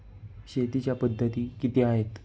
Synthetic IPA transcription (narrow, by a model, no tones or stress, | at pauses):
ɕet̪it͡ɕjapəd̪ʱːət̪iːkit̪eaɦet̪